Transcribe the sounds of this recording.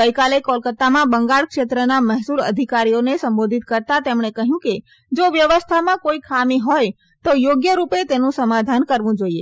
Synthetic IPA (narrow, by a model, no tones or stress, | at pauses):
əjkalekɔlkət̪ːamãbəŋɡaɭkʃet̪ɾənaməɦsuɾə̰d̪ʱikaɾijonesəmbod̪ʱit̪kəɾt̪at̪emɳ̃ekəɦjũke | d͡ʒoʋjəʋəst̪ʰamãkoikʰamiɦɔj | t̪ojoɡjəɾupet̪enũsəmad̪ʱankəɾʋũd͡ʒoie